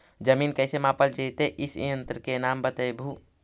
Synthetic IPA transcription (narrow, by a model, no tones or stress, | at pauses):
d͡ʒəmiːnkɛːsemãːpəld͡ʒiːt̪eʔɪsjə̃nt̪ɾəkenaːmbət̪əjbʱuː